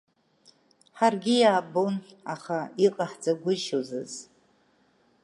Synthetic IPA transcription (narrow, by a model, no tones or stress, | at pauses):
ħarɡʲɪjaːbownaχaiqʼaħd͡zaɡʷʊʃozɨz̥